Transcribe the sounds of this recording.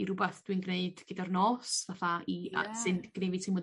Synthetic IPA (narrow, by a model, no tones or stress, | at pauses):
iɾʊbaθd̥winɡneɨd̥ɡ̥ɨdarnɔːsvaθaia̰sɨnɡ̥nevitʰimɔ